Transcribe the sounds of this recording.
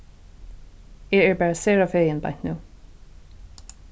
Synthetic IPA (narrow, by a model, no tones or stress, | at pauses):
ɛɛɹbɛːɹasɛːɹafeːjɪnba̰jn̥t̪nuː